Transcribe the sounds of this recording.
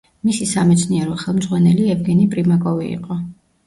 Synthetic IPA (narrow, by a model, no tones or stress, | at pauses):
misisamɛt̪sʰniɛɾɔχɛlˠmd̪zʁwanɛliɛvɡɛnipʼɾimakʼɔvḭːqʼɔ